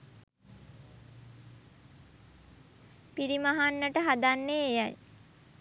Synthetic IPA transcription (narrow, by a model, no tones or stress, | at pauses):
piɾimaɦanːəʈəɦad̪anːeːjaj